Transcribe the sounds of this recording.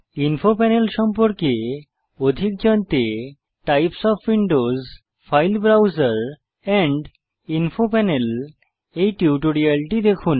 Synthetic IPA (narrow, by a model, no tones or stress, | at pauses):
inpʰopɛnelʃɔmpɔɾke | od̪ʱik̚d͡ʒɔnt̪e | ʈajpsɔpʰwiɳɖoz | pʰajlbɾawzəɾ | ɛ̃ɳɖ | inpʰopɛnel | ejʈiwʈuɾiɛlʈid̪ekʰun